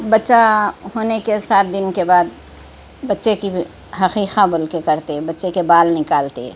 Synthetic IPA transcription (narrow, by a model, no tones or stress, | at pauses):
bətːʃaɦoːnekesaːt̪̚d̪ɪnkebaːd̪̚ | bətːʃeki | ɦɐxiːqãbolkekəɾt̪ebɐtːʃekebaːlnɪkaːlt̪ḛ